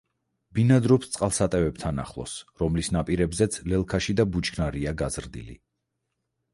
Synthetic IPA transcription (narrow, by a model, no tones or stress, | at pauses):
b̥inad̪ɾɔpst̪sʼqʼalˠsat̪ʼɛvɛb̚t̪ʰana̰χlˠɔ̰sɾɔmlisnapʼiɾɛbzɛt̪sʰlɛlˠkʰaʃid̪abut͡ʃɡʰnaɾiaɡazɾd̪ḭlḭ